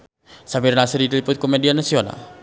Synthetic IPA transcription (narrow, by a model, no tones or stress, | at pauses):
samirnasirit̪lipʊt̪̚komedianasiona̰